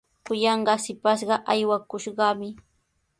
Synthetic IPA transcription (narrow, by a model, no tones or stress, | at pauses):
kʊjɑɴɢɑsɪpaʃ̬ɢɑʔajwakʊʃɢɑmɪ